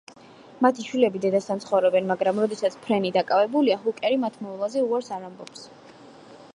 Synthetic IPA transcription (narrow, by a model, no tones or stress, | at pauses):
mat̪ʰiʃwilɛbid̪ɛd̪asant̪sʰχɔvɾɛbɛnmaɡɾamɾɔd̪ɛsat̪sʰpʰɾɛnid̪akʼavɛbuliaɦukʼɛɾimat̪ʰmɔvlˠazɛuaɾsaɾambɔps